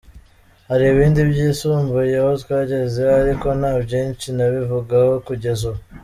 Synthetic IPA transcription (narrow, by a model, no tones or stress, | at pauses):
haɾiːβiːndibjiːsuːmbujehotwaːɟe̞zeaɾiko̞n̥haːbjiːnt͡ʃinaβivuɡaho̞kuɟe̞zo